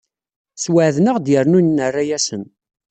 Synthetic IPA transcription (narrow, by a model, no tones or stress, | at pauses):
swəʕðnəʁd̪jəɾnunːərːajæsən